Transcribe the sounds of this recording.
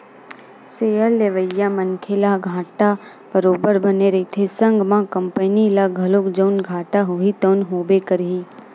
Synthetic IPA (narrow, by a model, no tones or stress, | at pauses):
seːəlːeʋəjːamənkʰelaɡʱãːʈa | b̥əɾoːbəɾbɐneɾɐit̪ʰesə̃ŋɡmãkɐ̃mpənilaɡʱɐlokd͡ʒəʊnɡʱaːʈaɦuɦit̪əʊnɦoːbekəɾɦiː